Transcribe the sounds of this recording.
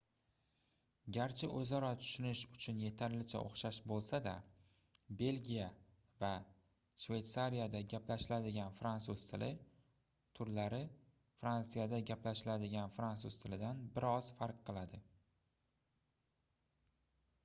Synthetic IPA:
ɡʲaɾt͡ʃʰɪʔɵzɒɾɒt̪ʰʊ̥ʃɪnɪʃʊt͡ʃʰʊnje̞t̪ʰaɾlɪt͡ʃʰa̰ʔo̰χʃaʃbolˠsad̪a̰ | be̞lɡʲija | va | ʃve̞jt̪saɾijad̪aɡʲaplaʃɪlad̪ɪɡʲanfɾant̪suz̥t̪ʰɪlɪ | t̪ʰʊɾlaɾɪ | fɾansɨjad̪aɡʲaplaʃɪlad̪ɪɡʲanfɾant̪suzt̪ʰɪlɪd̪anbɪɾɒzfaɾqːɨlˠad̪ɪ

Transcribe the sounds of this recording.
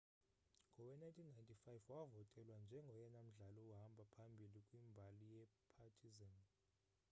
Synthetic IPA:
ŋɡʱɔwɛnajntʼʰinːajntʰʼifajvwavɔtʼɛlwand͡ʒʱɛŋɡʱɔjɛnam̩ɮalɔwuɦambʱapʰambʱilikʼwimbʱalijɛpʰatʰizan

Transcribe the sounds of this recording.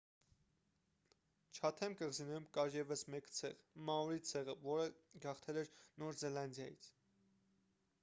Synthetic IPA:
t͡ʃʰɑt̪ʰɛmkəʁzinɛumkɑɾjɛvəsmɛkt͡sʰɛʁmɑɔɾit͡sʰɛʁəvɔɾəɡɑχt̪ʰɛlɛɾnɔɾzɛlɑnd̪jɑjḭt͡sʰ

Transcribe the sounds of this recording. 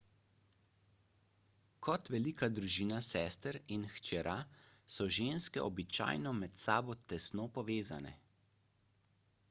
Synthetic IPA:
kʰɔt̪ʋɛliːkad̪ɾuʒiːnasɛːst̪əɾinxt͡ʃɛɾʔa | sɔʒeːnskɛ̰ʔɔbit͡ʃa̰ːjnɔmɛt̪sa̰ːbɔt̪ɛsnoːpɔʋeːza̰nɛ̰

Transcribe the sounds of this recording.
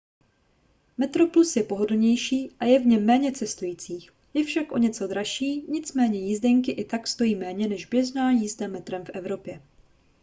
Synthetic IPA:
mɛt̪ɾo̞plusjɛpo̞ɦodoɲɛjʃiːʔajɛvɲɛmːɛːɲɛt͡sɛst̪ujiːt͡siːx | jɛfʃakʔo̞̰ɲɛt͡so̞d̪ɾaʃiːɲɪt͡smɛːɲɛjiːzdɛŋkɪʔɪt̪akst̪o̞jiːmɛːɲɛnɛʒbjɛznaːjiːzdɛmːɛt̪ɾɛmfʔɛvɾo̞pjɛ

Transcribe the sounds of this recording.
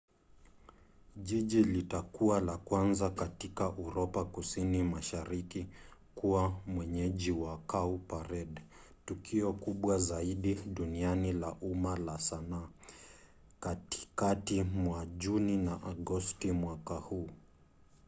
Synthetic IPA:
ʄiʄilitakuwalakwanzakatikaʔuɾɔpakusinimaʃaɾikikuwamwɛɲɛʄiwakaupaɾɛɗ | tukiɔkuɓwazaiɗiɗunianilaʔumalasana | kati̥katimwaʄuninaʔaɡɔstimwakahuː

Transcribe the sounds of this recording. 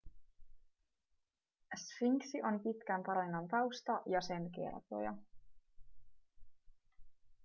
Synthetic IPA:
sfiŋksiʔo̞npit̪k̟æmpɑɾinɑnt̪ɑwst̪ɑʔjɑse̞nke̞̰rt̪o̰jɑ̰

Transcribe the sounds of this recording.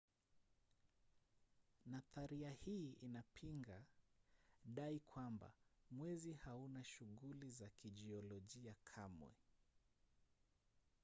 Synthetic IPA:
naθaɾiahiːinapʰiŋɡa | ɗaikʰwamba̰mwɛzihaunaʃuɣulizakiʄiɔlɔʄiakʰamwɛ̰

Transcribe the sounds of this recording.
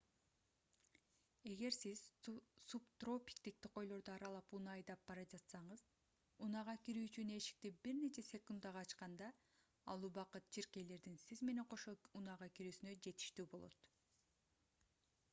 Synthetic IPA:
e̞ɡe̞ɾsiz̥supt̪ro̞pʲi̥k̚t̪ik̚t̪iqo̞jlˠo̞ɾd̪oɑɾɑlˠɑpunɑːjd̪ɑp̚bɑɾɑd͡ʒɑt̪sɑɴɯz | unɑʁɑkiɾyːt͡ʃyneʃi̥k̚t̪ibiɾne̞t͡ʃʰe̞sʲe̞kund̪ɑʁɑːt͡ʃqɑnd̪ɑ | ɑ̰lˠubɑqɯt̪̚t͡ʃʰiɾke̞jle̞ɾd̪insizme̞ne̞ɴqʰo̞ʃounɑʁɑkiɾyːsynø̞d͡ʒe̞t̪i̥ʃt̪yːbo̞lˠo̞̰t̪

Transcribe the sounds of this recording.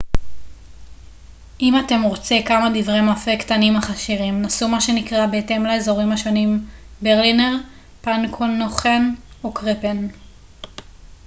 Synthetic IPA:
ʔimate̞mʁo̞t͡sekamadivʁemafektanimaχaʃiʁimnasumaʃe̞nikʁabeete̞mlaezo̞ʁimaʃo̞nimbeʁlineʁ | pankʰonoχenokʁepen

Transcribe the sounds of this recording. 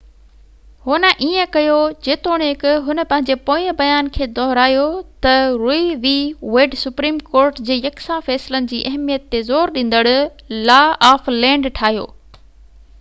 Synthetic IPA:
hʊnə̆ʔiːə̃kɐjod͡ʑeːt̪oːɽ̃eɪkɦʊnə̆pɐ̃ɦɪ̃ɲd͡ʑepoːəbɐjaːnkʰeːd̪ɔːɦɾaːijot̪ɐɾuiʋiːʋeːɖsʊpɾiːmkoːɾʈd͡ʑeːjɐksãfɛːsɪlənɪ̆d͡ʑiːʔɐɦmijət̪ːezoːɾɗĩːnd̪əɽʊ | laːaːflɛ̃ːɳɖʈʰaːɦijo̰ː

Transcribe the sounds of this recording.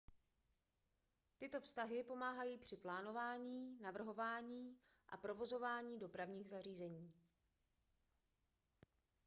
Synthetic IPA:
t̪ɪt̪o̞fst̪aɦɪpo̞maːɦajiːpr̝̥ɪplaːno̞vaːɲiːnavr̩ɦo̞vaːɲiː | ʔa̰pɾo̞vo̞zo̞vaːɲiːdo̞pɾavɲiːɣzariːzɛɲiː

